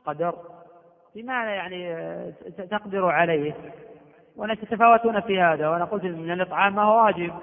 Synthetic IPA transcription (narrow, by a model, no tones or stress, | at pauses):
qɑd̪ɑɾˤ | fimaajaʕni | t̪ɑqd̪ɪɾuʕalejh | wʔanat̪at̪afaːwat̪uːnafiːhaːðawʔanaqʊlt̪nmɪnalʔɨt̪ˤʕɑːmːahuwwaːd͡ʒɪb̚